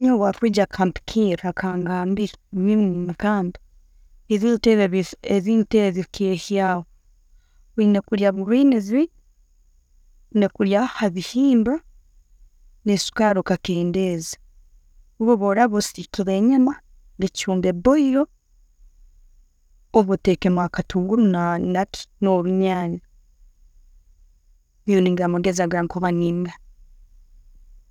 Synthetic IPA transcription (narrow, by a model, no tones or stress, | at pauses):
ɲowafwid͡ʒakʰampi̥kʰiɾakʰaːŋɡambiβimukaːmbi | iðiteββeβiːnteeβikehjaːwo | βinekuɾjaβuɾwiːnizi | nekuɾjahaβihiːmba | nesu̥kaɾokakeːndeːzḁ | uβoβoɾaβosiɾikiβeɲama | necuːmbeboijo | oβotekemakatuːŋɡuɾunanaki̥noɾuɲaːɲa | joniŋɡamoɡezaɡaŋkoβaniːŋɡa